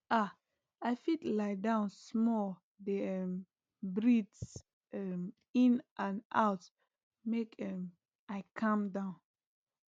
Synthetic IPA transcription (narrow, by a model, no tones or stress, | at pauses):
ʔa | afitlaɪdãʊ̃nsmɔl | dɛm | bɹids | ɛm | ĩnʔãnʔa̰ʊt | mekɛm | ʔaɪkʰãmdãʊ̃n